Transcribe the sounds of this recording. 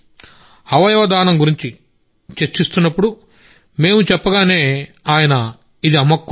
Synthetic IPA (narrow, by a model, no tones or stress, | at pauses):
ɐʋɐjɐʋɐd̪aːnɐmɡuɾiɲt͡ʃi | t͡ʃet͡ʃːist̪unːɐpːuɽu | me̞ːmut͡ʃɛpːɐɡaːne̞ːaːjɐnɐ | id̪iɐmɐkː